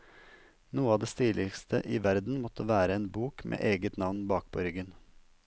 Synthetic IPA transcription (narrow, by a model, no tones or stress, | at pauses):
nuːəɑːd̪eːst̪iːlɪkst̪ʰəʔiːʋæɾd̪n̩mɔt̪ʰəʋæːɾəeːnbuːkmʔḛːʔeːɡət̪nɑʋnbɑːk̚pʰoːɾʏɡən